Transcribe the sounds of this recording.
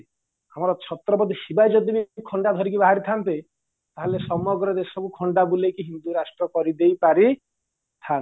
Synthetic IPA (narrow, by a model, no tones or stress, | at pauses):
ɦamɔɾɔt͡ʃʰɔt̪ɾɔbɔd̪ʱiʃibajd͡ʒɔd̪ibikʰɔɳɖad̪ʱɔɾikibaɦaɾit̪ʰant̪i | t̪aɦelesɔmɔɡɾɔd̪esɔkukʰɔɳɖabulekiɦind̪uɾasʈɾɔkɔɾid̪ejpaɾi | t̪ʰan